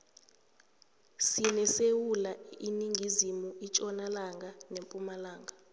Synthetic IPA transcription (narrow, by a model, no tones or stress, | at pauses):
sinɛsewulainiŋɡʱizimuit͡ʃʼɔnalaŋɡʱanempʼumalaːŋɡʱa